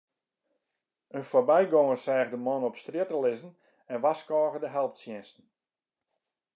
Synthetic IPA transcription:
ənfoːbɛjɡoŋərsɛːɣdəmɔnɔpstrjɪtəlɪzən | ɛnʋaskɔːɣədəɦɛlˠp̚tsjɛnstn̩

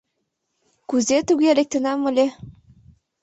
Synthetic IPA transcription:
kuzet̪uɣelek̚t̪ə̆nɑməlʲe

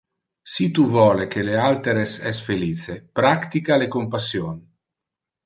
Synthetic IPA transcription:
sit̪uvɔːlekelealt̪eɾesɛsfeliːt͡sepɾakt̪ikalekompasjon

